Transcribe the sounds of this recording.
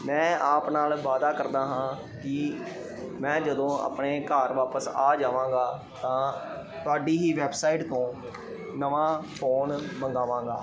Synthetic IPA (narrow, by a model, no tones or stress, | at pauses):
mɛ̃ːaːpnaːlʋaːd̪aːkəɾd̪aːɦãː | kɪ | mɛ̃ːd͡ʒəd̪õːa̰ːpɳeːkaːɾʋaːpəsaːd͡ʒaːʋãːɡaː | t̪ãː | t̪ʊaːɖiːɦiːʋɛːbsaːɪʈt̪õː | nəʋãːpʰoːnməŋɡaːʋãːŋɡa̰ː